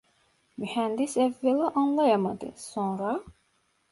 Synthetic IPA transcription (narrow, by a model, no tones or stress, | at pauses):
myhænd̪isævːæliʔɑnlˠɑjɑmɑd̪ɯ̰sonɾɑ